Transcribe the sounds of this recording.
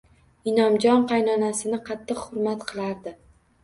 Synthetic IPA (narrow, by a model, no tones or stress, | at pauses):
ɪnɒmd͡ʒɒnqʰɑjnɒnasɪnɪqʰɑt̪ʰːɨqhʊɾmat̪qʰɨlˠaɾd̪ɪ